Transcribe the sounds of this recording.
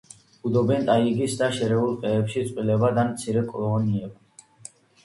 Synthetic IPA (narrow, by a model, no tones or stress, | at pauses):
ud̪ɔbɛnt̪ʼaiɡisd̪aʃɛɾɛulˠqʼɛːpʃit̪sʼqʼwilɛbad̪anmt̪sʰiɾɛkʼɔlˠɔniɛba